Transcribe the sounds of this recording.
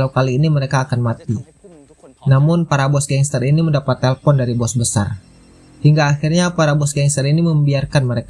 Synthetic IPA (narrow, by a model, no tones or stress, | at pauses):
lawkaliːniməɾekaːkanmat̪i | namʊnpaɾabɔsɡɛŋst̪əriniməndapat̪ːɛlfɔndaɾibɔsbəsa̰r | hiŋɡaːxirɲapaɾabɔsɡɛŋst̪əɾiniməmbiarkanməɾek